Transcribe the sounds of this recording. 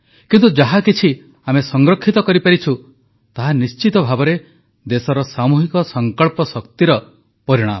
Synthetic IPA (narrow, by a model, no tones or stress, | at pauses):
kint̪ud͡ʒaɦakit͡ʃʰi | amesɔŋɡɾɔkʰːit̪ɔkɔɾipaɾit͡ʃʰu | t̪aɦanist͡ʃit̪ɔbʱabɔɾe | d̪esɔɾɔsamuɦikɔsɔŋkɔɭpɔsɔkt̪iɾɔ | pɔɾiɽ̃a̰mɔ